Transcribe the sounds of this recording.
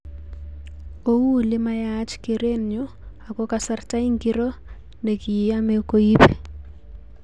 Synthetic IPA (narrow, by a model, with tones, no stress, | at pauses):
o˦wuː˦lɪma˦jat͡ʃke˨ɾenɲɔ | a˨kɔ˦kasarta˦i˦ŋɡi˦ɾɔ˦ | ne˨ki˨amɛko˦ipɛ